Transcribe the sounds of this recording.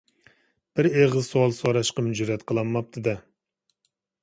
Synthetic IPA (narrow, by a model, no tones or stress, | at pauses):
b̥ɪɾeʁɨzsoɑlˠsoɾɑʃqɑmyd͡ʒuɾɛt̪qʰəlˠɑmːɑp̚t̪ʰɨd̪ɨ